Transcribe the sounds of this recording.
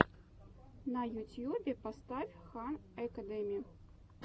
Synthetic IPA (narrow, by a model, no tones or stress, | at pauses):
nɐjut̪ʲjubʲɛpast̪afʲxanɐkɐd̪ɛmʲiju